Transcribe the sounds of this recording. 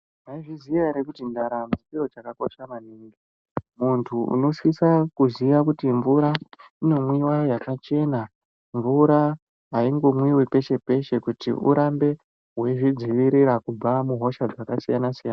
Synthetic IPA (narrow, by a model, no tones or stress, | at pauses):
naiʐizijaɾekutindaɾamukiro̞t͡ʃakako̞ʃamaniːŋɡi | muntʰuṵno̞swisakuziʋakutiɱvuɾa | ino̞mwiwajakat͡ʃe̞na | ɱvuɾa | ɦaiŋɡo̞mwiwepe̞ʃe̞pe̞ʃe̞kutḭṵɾambe̞ | ɦwe̞ʐid͡ziʋiɾiɾakub͡vamuɦo̞ʃad͡zakasijanasijaːna